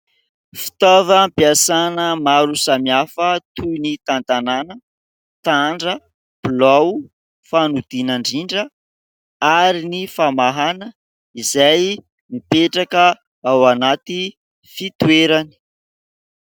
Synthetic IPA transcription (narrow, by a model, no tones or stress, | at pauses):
fi̥t̪avəmpiasanəmaɾusamiafət̪ʰunit̪ant̪ananə | t̪aɳɖ͡ʐə | b̥law | fanud̪̥inaɳɖ͡ʐiɳɖ͡ʐə | aɾinifamaɦanə | izaj | mipeʈ͡ʂakə | awanat̪i | fit̪weɾani̥